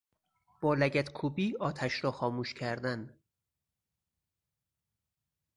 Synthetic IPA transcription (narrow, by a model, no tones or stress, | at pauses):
b̥ɒːlæɟæt̪kʰuːbiːɒːt̪ʰæʃɾɒːxɒːmuːʃcʰæɾd̪æn